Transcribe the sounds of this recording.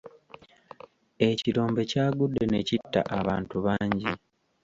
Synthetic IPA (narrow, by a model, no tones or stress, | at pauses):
e̞ciɾo̞ːmbe̞caːɡudːe̞ne̞citːa̰ʔaβaːntuβaːɲɟi